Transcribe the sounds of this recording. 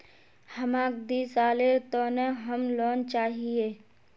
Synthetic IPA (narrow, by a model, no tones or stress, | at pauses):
həmaːk̚d̪iːsaːleɾt̪oːneɦəmloːnt͡ʃaːɦieː